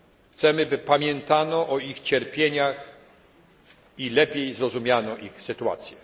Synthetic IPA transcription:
xt̪sɛmɘbɘpamʲjɛnt̪anɔʔɔixt͡ɕɛɾpʲjeɲax | ilɛpʲjejzɾɔzumʲjanɔʔixsɘt̪ua̰t̪sʲjɛ

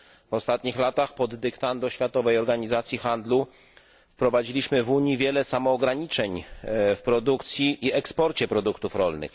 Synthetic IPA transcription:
vɔst̪at̪ɲixlat̪axpɔd̪ːɛkt̪and̪ɔɕfʲjat̪ɔvɛjɔɾɡaɲizat̪sʲjixand̪lu | fpɾɔvad͡ʑilʲiɕmɘvuɲivʲjɛlɛsamɔːɡɾaɲit͡ʂɛɲfpɾɔd̪ukt̪sʲjiʔiɛkspɔɾt͡ɕɛpɾɔd̪ukt̪ufɾɔlnɘ̰x

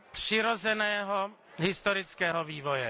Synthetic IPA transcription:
pr̥ɪɾozɛnɛːɦo | ɦɪst̪oɾɪt͡skɛːɦoviːvo̞jɛ

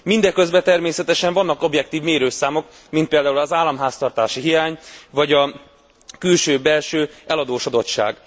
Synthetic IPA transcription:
mind̪ɛkø̞zbɛt̪ɛrmeːsɛt̪ɛʃɛɱvɒnːɒko̞bjɛk̚t̪iːvmeːɾøːsaːmo̞k | mint̪̚peːld̪aːulɒzaːlːɒmɦaːst̪ɒrt̪aːʃiɦijaːɲvɒɟɒ | kylʃøːbɛlʃøːɛlɒd̪oːʃod̪o̞tʃa̰ːɡ

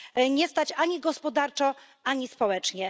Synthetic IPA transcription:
ɲɛst̪at͡ɕaɲiɡɔspɔd̪aɾt͡ʂɔ̃ | aɲispɔwɛt͡ʂɲɛ

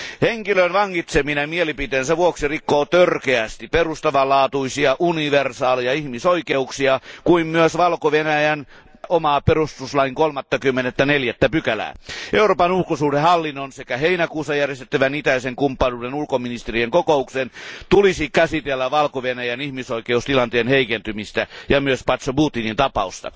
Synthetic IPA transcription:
heŋkiløinʋɑŋːit̪seminɑmielipit̪eːnsæʋuoksirikːoːt̪ørkeæst̪ipperust̪ɑʋɑlɑːt̪uisiɑʔuniʋersɑːliɑihmisoikeuksiɑkuimmyøsʋɑlkoʋenæjæn | omɑperust̪uslɑiŋkolmɑt̪ːɑkymːenet̪ːæneljæt̪ːæpykælæ̰ʔeuroːpɑnulkosuːdehɑlːinːonsekæheinækuːsɑjærjest̪ĕ̥t̪ːæʋænit̪æiseŋkumpːɑnuːdenulkominist̪erieŋkokouksent̪ulisikæsit̪elːæʋɑlkoʋenæjænihmisoikeust̪ilɑnt̪eːnheikent̪ymist̪æjɑmyøspɑt̪sobuːt̪ːinint̪ɑpɑust̪ɑ̰

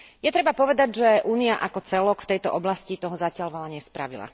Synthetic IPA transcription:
jɛt̪ɾɛbapɔʋɛd̪aɟʒɛʔuːniaʔakɔt͡sɛlɔkft̪ɛjt̪ɔʔɔblascit̪ɔɦɔzacɪaʎʋɔlaɲɛspɾa̰ʋila̰

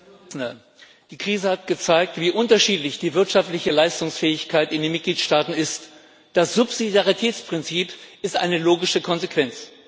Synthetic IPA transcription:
nə | d̥iːkʁ̥iːzəhat̚ɡ̥ət͡saɪk̚tv̥iːʔʊntɐʃiːtlɪçd̥iːvɪɐtʃaftlɪçəlaɪstʊŋsfɛːɪçkʰaɪtɪndeːnmɪt̚ɡ̥liːtʃtaːtn̩ɪst | d̥asz̥ʊpz̥idjaʁitʰɛːt͡spʁ̥ɪnt͡siːpɪstʔa̰ɪnəloːɡɪʃəkʰɔnzekv̥ɛnt͡s

